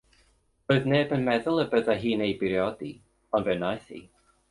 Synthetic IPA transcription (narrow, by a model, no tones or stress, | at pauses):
roːɨðneːbənmɛðʊlˠəbəðaɦiːnejbɪɾjɔdi | ɔnvɛwnajθḭ